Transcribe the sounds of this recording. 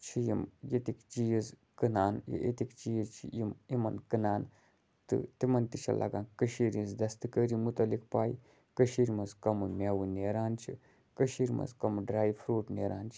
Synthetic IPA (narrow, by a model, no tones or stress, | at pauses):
t͡ʃʰijimjet̪ikt͡ʃijiz | kɨnaːnjḭʔḛt̪ikt͡ʃijizt͡ʃʰḭimimɐnkɨnaːn | t̪ɨ̰t̪imɐnt̪it͡ʃʰɐ̰lʔɐ̰ɡãːnkəʃiːɾĩzd̪ɐst̪ɨkəːɾimut̪ɐlikpaːji | kəʃiːɾmɐzkɐmumʲaːwuneːɾaːnt͡ʃʰḭ | kəʃiːɾmɐ̰zkɐmɨɖɾaːjpʰɾuːʈneːɾaːnt͡ʃʰi̥